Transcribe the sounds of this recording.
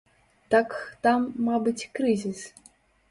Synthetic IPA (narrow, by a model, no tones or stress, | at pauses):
t̪akt̪amːabɨt͡sʲkɾɨzʲis